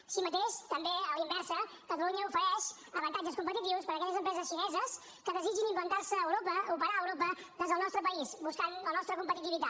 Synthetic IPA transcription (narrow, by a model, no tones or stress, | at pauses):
simət̪eʃt̪əmbeəlˠimbɛɾsə | kət̪əluɲəufəɾɛʃ | əβənt̪ad͡ʒəskumpət̪it̪iwspəɾəkɛʎəzəmpɾɛzəsʃinɛzəs | kəðəzid͡ʒinimplənt̪aɾsəːwɾopəupəɾaəwɾopəðəzðəlˠnɔst̪ɾəpəisbuskanlənɔst̪ɾəkumpət̪it̪iβit̪a